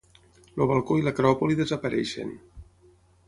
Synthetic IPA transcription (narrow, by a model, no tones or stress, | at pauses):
loβalˠkoiləkɾɔpoliðezəpəɾɛ̰ʃḛn